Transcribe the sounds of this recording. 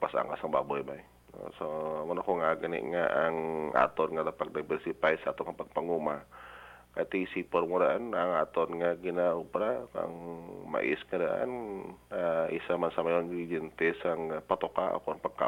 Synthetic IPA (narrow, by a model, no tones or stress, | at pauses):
pasa̰ŋkasaŋbabojbaḭ | samanakoŋaɡənḭʔŋaʔaŋa̰t̪ɔnŋad̪apak̚dabɛrsipaisat̪ɔŋapak̚paŋuma | kat̪isipɔrmuɾaanaŋat̪ɔnŋaɡinaupɾaka̰ŋma̰ʔḭskadaʔa̰naisamansamaɔnid͡ʒint̪isaŋapat̪ɔkaa̰kunpakːa̰